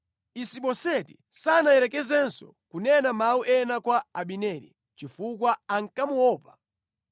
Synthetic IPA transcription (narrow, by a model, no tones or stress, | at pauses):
isiɓɔsɛti̥ | sanaɛɾɛkɛzɛnsɔ̰ | kunɛnamauʔɛnakwaaɓinɛːɾḭ | t͡ʃifuk̬waaŋ̩kamuwɔːpḁ